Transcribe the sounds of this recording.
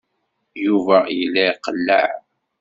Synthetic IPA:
juvæilːæiqəlːə̰ʕ

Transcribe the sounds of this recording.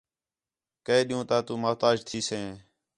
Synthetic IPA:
kəeːɗijũːt̪aːt̪ũːmaːt̪aːd͡ʒt̪ʰiːsẽː

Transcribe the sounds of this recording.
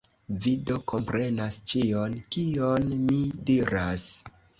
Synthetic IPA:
vido̞ko̞mpɾe̞nast͡ʃio̞nkionmidiɾas

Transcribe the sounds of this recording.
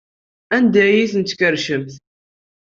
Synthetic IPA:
ænd̪æjiθənt̪kəɾʃəmθ

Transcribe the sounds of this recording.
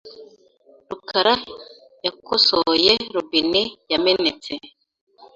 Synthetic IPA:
ɾukʰaɾa | jakosojeɾubinejamenet͡se

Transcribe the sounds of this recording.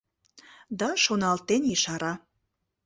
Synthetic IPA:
d̪ɑʃonɑlt̪enjiʃɑɾɑ

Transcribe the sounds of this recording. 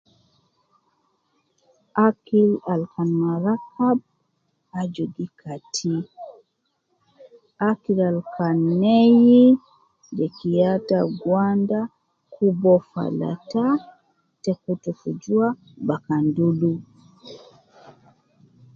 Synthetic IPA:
ʔakilalkanmaɾakʰab̚ | ad͡ʒoɡikʰatʰi | akilalkanːeji | d͡ʒɛkijataɡwanda | kubɔfa̰la̰ta | tɛkutufud͡ʒuwa | bakandulu

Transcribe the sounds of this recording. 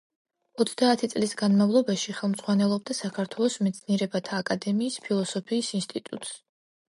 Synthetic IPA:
ɔt̪sʰd̪aːt̪ʰit̪sʼlisɡanmavlˠɔbaʃiχɛlˠmd̪z̥ʁwanɛlˠɔb̚d̪asakʰaɾt̪ʰwɛlˠɔsmɛt̪sʰniɛɾɛbat̪ʰaːkʼad̪ɛmiːspʰilˠɔsɔpʰiːsinst̪ʼit̪ʼṵt̪ʼs

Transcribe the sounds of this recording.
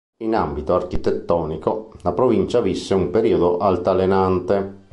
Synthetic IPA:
inambit̪oark̟it̪et̪ːɔːnikolapɾovint͡ʃavisːeumpeɾiːod̪oʔalt̪alenant̪e

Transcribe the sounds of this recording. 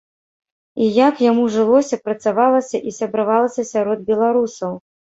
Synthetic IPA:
ijakjamuʐɨlˠɔsʲɐpɾɐt̪savalˠɐsʲɐʔisʲɐbɾɨvalˠɐsʲɐsʲaɾɔd̪̚bʲɛlˠaɾusɐw

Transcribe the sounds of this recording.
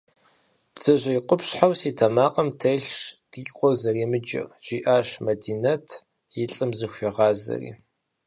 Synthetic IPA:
b̥z̥ɐʑʷɐjqʷʊpɕħawsiːtʰɐmaːqɐmtʰɐjɬʂd̥iqʷʼɔrzɐriːmɨd͡ʒɐ̰rʒ̥iːʔaːɕmɐdiːnɐtʰ | jɪɬʼɨmzɨxʷɐʁɑːzɐ̰rḭː

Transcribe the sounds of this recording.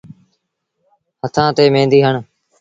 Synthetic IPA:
hət̪ʰãːt̪eːmẽːnd̪iːɦəɳ

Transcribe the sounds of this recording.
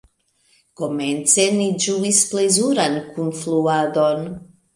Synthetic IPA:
ɡ̥omɛnt̪sɛnid͡ʒuisplezuɾankunfluad̪on

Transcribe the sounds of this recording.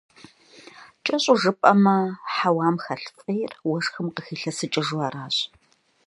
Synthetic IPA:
t͡ʃʼɐɕʼʊʐɨpʼɐmɐħawaːmxɐɬfʼiːrwɐʂxɨmqəxiːɬɐsɨt͡ʃʼɪʒuaːɾaːɕʼ

